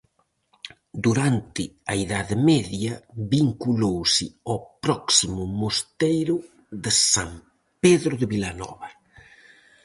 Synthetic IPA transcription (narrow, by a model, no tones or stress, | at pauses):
d̪uɾant̪ɪɐeðaðɪmɛðjɐβiŋkulowsɪɔpɾɔksimʊmost̪ejɾʊ | ðɪsam | peðɾʊðɪβilanɔ̰βɐ